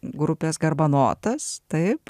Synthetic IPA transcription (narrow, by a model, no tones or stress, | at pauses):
ɡɾʊpʲeːsɡɐrbɐno̰ːt̪ɐst̪ɐɪp